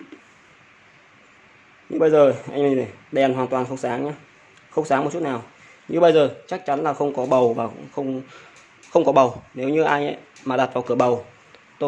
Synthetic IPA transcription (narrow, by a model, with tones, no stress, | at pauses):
ɲɨ̰˧ɓə˧jzəː˨˩ʔa̰˧jŋi˧˨ɗɛ˨˩˨nwaː˨˩nt̪waː˨˩nxə˧wŋ͡msaː˨˦ŋɲaː˧ | xə˧wŋ͡msaː˨˦m̚˨˩t͡ɕu˦˥t̚naː˨˩w | ɲɨ̰˧ɓə˧jzəː˨˩t͡ɕa˦˥k̚t͡ɕa˨˦nlaː˨˩xə˧wŋ͡mkɔ˨˦ɓə˨˩wva̰ː˨˩˧ŋ͡mxə˧wŋ͡m | xə˧wŋ͡mkɔ˨˦ɓə˨˩wne˨˦wɲɨ˧ʔa˧jɲʔə̰˧˦j | maː˨˩ɗa˨˩t̚vaː˨˩wkɨ˧˩əɓə˨˩w | t̪o˧